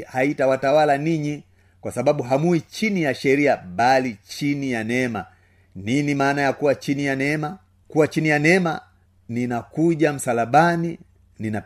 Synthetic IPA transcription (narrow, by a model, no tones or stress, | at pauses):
haitawatawalaniɲi | kwasaɓaɓuɦamuit͡ʃinijaʃɛɾiaɓalit͡ʃinijanɛma | ninimaːnajakuwat͡ʃinijanɛma | kuwat͡ʃinijanɛma | ninakuʄam̩salaɓani | nina